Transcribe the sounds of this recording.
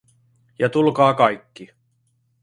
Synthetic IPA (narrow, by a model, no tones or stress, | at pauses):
jɑt̪ulkɑːkɑjkːi